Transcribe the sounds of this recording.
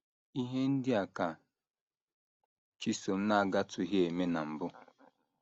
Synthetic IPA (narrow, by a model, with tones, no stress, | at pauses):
i˦ɦe˦n̩˦dɪ˦a˨ka˨ | t͡ʃi˦so˨m̩˦na˦a˨ɡa˦tʊ˨ɦe˦e˨me˦na˨m̩˨bʊ˦